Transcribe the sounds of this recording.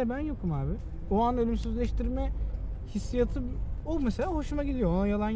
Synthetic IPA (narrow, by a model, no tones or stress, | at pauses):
ɛbænjo̞kumaːbɪ | oanølʲymsyzlʲɛʃt̪iɾmɛ | hisːijat̪ʰɯomeselʲaːɦo̞ʃumaɟid̪ijo̞onajalˠan